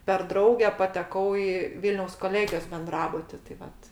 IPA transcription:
pʲɛr ˈdrɐʊɡʲɛ pɐtʲɛˈkɐʊ ɪ ˈʋʲɪlʲnʲɛʊs koːˈlʲeːɡʲɪjoːs bʲɛnˈdrɑːbʊtʲɪ tɐɪ ˈʋɐt

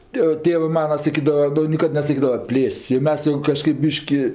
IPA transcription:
ˈtʲeː ˈtʲeːʋɜ ˈmɑːnɐ sɐˈkʲiːdɐʋɐ ˈnʊ nʲɪˈkɐt nʲɛsɐˈkʲiːdɐʋɐ ˈpʲlʲeːsʲtʲsʲ jɛʊ ˈmʲɛs jɛʊ kɐˈʃkɐɪp ˈbʲiːʃʲkʲɪ

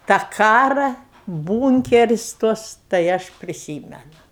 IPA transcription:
tɑː ˈkɑːrɐ ˈbuːŋʲkʲɛrʲɪs ˈtuɔs tɐɪ ˈɐʃ pʲrʲɪˈsʲiːmʲɛnʊ

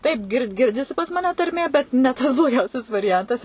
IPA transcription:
ˈtɐɪp ɡʲɪr ˈɡʲɪrʲdʲɪsʲɪ pɐs mɐˈnʲɛ tɐrʲˈmʲeː ˈbʲɛt nʲɛ ˈtɐs blˠoːˈɡʲɛʊsʲɛs ʋɐrʲɪˈjɛntɐs

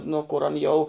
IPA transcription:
ˈnʊ kʊr ɐn ˈjɛʊ

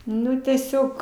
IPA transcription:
ˈnʊ tʲɛˈsʲoːk

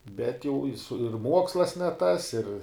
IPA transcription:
bʲɛt jɛʊ ɪ sʊ ɪr ˈmuɔkslˠɐs nʲɛ tɐs ɪr

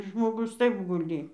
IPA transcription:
ʒmoːˈɡʊs ˈtɐɪp ɡʊˈlʲiː

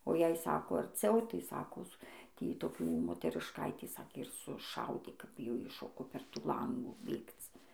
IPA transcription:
oː jɛɪ ˈsɑːkoː ɐrʲˈt͡sʲɛʊ tɐɪ ˈsɑːkoːs ˈtʲiː toːˈkʲuː moːtʲɛrʲɪʃˈkɐɪtʲiː ˈsɑːkʲeː ɪr sʊˈʃɐʊdʲeː ˈkɐp jɛʊ ˈjɪ ˈʃoːkoː pʲɛr ˈtuː ˈlˠɐŋɡuː ˈbʲeːkt͡s

